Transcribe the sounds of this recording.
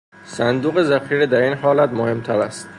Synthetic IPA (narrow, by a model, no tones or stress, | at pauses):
sænd̪uːɣezæxiːɾed̪æɾiːnhɒːlæt̪mohe̞mt̪ʰæɾæst̪̚